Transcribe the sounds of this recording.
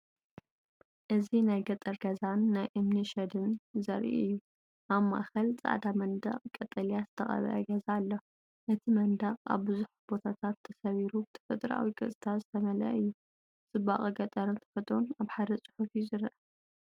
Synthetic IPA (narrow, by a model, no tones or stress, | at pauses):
ʔɨzinajɡɐt̪ʼɐɾɡɐzanːajʔɨmniʃɐd̪ɨnzɐɾʔḭʔʔɨjːu | ʔaβma̰ʔxɐlt͡sʼa̰ʕd̪amɐnd̪ɐ̰χʼkʼɐt̪ʼɐlijazɨt̪ʰɐχʼɐ̰βɐ̰ʔɐ̰ɡɐzalːo | ʔɨt̪ʰimɐnd̪ɐqʼa̰βbɨzuħbo̞t̪ʰat̪ʰat̪ʰːɐsɐβiɾubɨt̪ʰɐ̥fɐt̪ʼɾa̰wikʼɨsʼɨt̪ʰazɨt̪ʰɐmɐlɐ̰ʔɨjːu | t͡sʼɨba̰χʼɐɡɐt̪ʼɐɾɨnt̪ʰɐ̥fɐt̪ʼɾonaβħad̪ɐt͡sʼɨ̥ħufjuzɨɾɐʔɐ